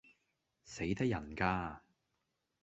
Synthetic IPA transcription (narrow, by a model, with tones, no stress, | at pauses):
se˨˥jt̪ɐ˥k̚jɐ˨˩nkaː˧